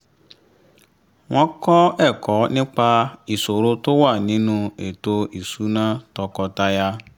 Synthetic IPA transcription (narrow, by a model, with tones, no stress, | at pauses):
w̃ɔ̃˦kɔ˦ɛ˦˨kɔ˨˦nĩ˦k͡pa˧i˨so˨ɾo˧to˦wa˦˨nĩ˨˦nũ˦e˨to˧i˨su˨˦nã˦tɔ˧kɔ˧ta˧ja˦